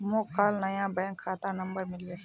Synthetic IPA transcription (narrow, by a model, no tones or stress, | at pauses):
moːkaːlnɐjãːbɛ̃ːŋkʰːaːt̪anɐmbəɾmɪlweː